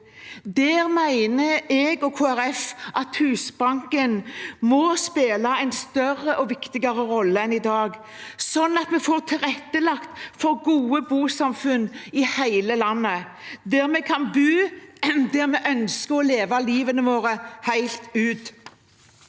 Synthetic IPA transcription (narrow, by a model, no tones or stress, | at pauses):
d̪ɛːʁmæɪnəɛːɡɔkʰoːæɾɛfʔɑt̪hʉːsbɑŋkənmɔspeːlɑɛɪnst̪œɾəʔɔʋɪkt̪ɪɡɑɾəɾɔlːəɛnɪd̪ɑːɡ | sɔnːɑt̪mɛfoːʁt̪ʰɪlʁɛt̪ːəlɑkt̪fɔɾɡuːəbuːsɑmfʉnɪhæɪləlɑnːə | d̪ɛʁmɛkʰɑnbʉːd̪ɛʁmɛʔœnskəɔleːʋɑliːʋənəʋoːɾəhæɪlt̪ʉːt̪